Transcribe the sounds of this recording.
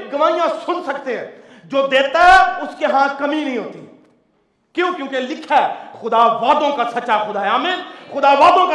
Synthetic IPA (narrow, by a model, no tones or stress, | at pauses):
ɡɐʋaːijãsʊnsɐkt̪eɦɛ̃ː | d͡ʒoːd̪eːt̪aɦɛʊskeɦãkɐminɐɦĩɦoːt̪i | kjõkjõːkelɪkʰaxʊd̪aʋaːd̪õkasɐːʃaxʊd̪aɦɛaːmiːnxʊd̪aʋaːd̪õka